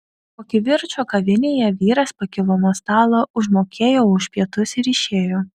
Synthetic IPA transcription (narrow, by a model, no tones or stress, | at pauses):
koːkʲɪʋʲɪɾt͡ʃoːkɐʋʲɪnʲeːjɛʋʲiːɾɐspɐkʲɪlˠoːmoːst̪ɑːlˠoʔʊʒmoːkʲeːjoːʊʃpʲiɛt̪ʊsɪɾɪʃʲeːjoː